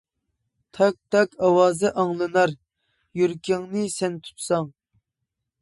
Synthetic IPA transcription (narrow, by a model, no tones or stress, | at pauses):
t̪ʰɑk̚t̪ʰɑkɑwɑːzɨʔɑŋlˠɨnɑɾ | jyɾkʲɪŋnɨsɛnt̪ʰu̥t̪sɑŋ